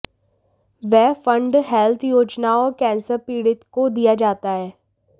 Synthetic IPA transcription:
ʋɛːfʰə̃ɳɖɦɛːlt̪ʰjoːd͡ʒnaɔːɾkɛ̃ːnsəɾpiːɽɪt̪kod̪ijad͡ʒaːt̪aɦɛː

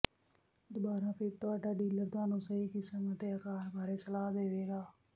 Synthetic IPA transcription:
d̪ʊbaːɾãːpʰɪɾt̪ʊaːɖaːɖiːləɾt̪oaːnũːsəɦiːkɪsəmət̪eːəkaːɾbaːɾeːsəlaːd̪eːʋeːɡaː

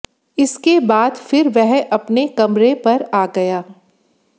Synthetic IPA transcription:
ɪskebaːd̪fɪɾʋɛɦɐpnekɐmɾepɐɾaːɡɐjaː

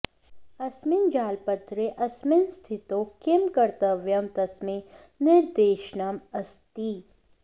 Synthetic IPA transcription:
ɐsmɪnd͡ʒaːlpɐt̪ɾeʔɐsmɪnst̪ʰɪt̪õkɪmkɐɾt̪əʋjɐmt̪ɐsme | nɪɾd̪eːʃnɐmɐst̪iː

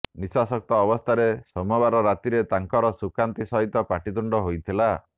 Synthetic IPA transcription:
nisasɔk̚t̪ɔːbɔst̪ʰaɾesɔmɔβaɾɔɾat̪iɾet̪aŋkɔɾɔsukant̪isɔɦit̪ɔpaʈid̪uɳɖɔɦojt̪ʰila

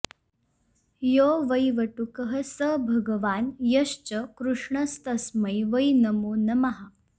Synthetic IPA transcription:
joʋəjʋəʈukəɦəsəbʱɐɡəʋaːnjɐɕt͡ɕəkɾuʂɳəst̪ɐsməjʋəjnəmoːnɐmaɦa

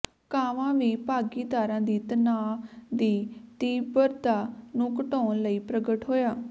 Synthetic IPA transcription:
kaːʋãːʋiːpaːɡiːd̪aːɾãːd̪iːt̪ənaːd̪iːt̪iːbəɾd̪aːnũːkəʈõːnləiːpɾəɡəʈɦoːjaː

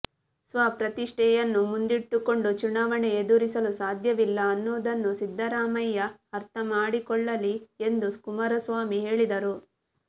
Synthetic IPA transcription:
sʋaːpɾɐt̪iʂʈʰɛjɐnːumund̪iʈːuko̞ɳɖut͡ʃunaːʋɐɳeed̪uɾisɐlusaːd̪ʱjɐʋilːɐːnːoːd̪ɐnːusid̪ʱːɐɾaːmɐjːɐhɐɾt̪ʰɐmaːɽikɔɭːɐlie̞nd̪uskumɐɾɐsʋaːmiɦe̞ːɭid̪ɐɾu

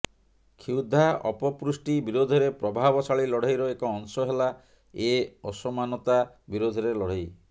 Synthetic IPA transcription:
kʰiwd̪ʱaɔ̰pɔpɾusʈibiɾod̪ʱɔɾepɾɔbʱabɔsʰaɭilɔɽ̤ajɾɔekɔːŋsɔɦela | eɔsɔmanɔt̪abiɾod̪ʱɔɾelɔɽ̤aj

